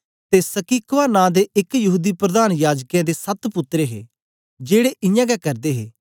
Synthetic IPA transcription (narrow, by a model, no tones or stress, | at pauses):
t̪eːsəkiːkʋaːnãːd̪eːɪkjɐɦuːd̪iːpɾəd̪aːnjaːd͡ʒkjãːd̪esət̪pʊt̪ɾeːɦḛː | d͡ʒeːɽeːʔɪjãːɡɛkəɾd̪eːɦḛː